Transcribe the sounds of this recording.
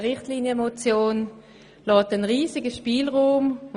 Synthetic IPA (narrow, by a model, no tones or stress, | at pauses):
ʁɪχtliːnjəmot͡sjoːn | lɔːtənʁiːsɪɡəʃpiːlʁuːm